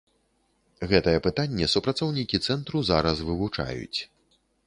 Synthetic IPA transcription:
ɣɛt̪ɐjɛpɨt̪anʲːɛsupɾat̪sɔwnʲikʲit̪sɛnt̪ɾuzaɾɐsvɨvut͡ʂa̰jṵt͡sʲ

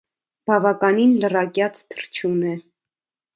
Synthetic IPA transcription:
b̥ɑvɑkɑninlərɑkjɑt͡sʰt̪ʰəɾt͡ʃʰjunɛ

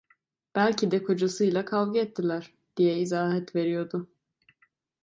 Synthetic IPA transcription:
b̥ælʲcʰid̪ɛkʰo̞d͡ʒasɯjlˠakʰalˠɡɯɛt̪ʰːilʲæɾ̥ | d̪̥ijɛizaːɦɛt̪ve̞ɾijo̞ɾd̪ʊ

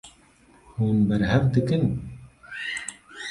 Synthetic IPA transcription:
huːnbɛɾɦɛvd̪ɨkɨn

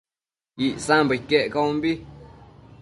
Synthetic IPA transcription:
iʔsãmbəkeʔkambi

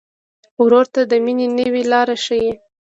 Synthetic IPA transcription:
wɾoɾt̪ad̪əminenəwelɑɾaʃəji

